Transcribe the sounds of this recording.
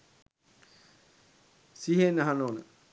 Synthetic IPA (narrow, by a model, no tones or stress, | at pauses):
siɦenəɦanoːnə̰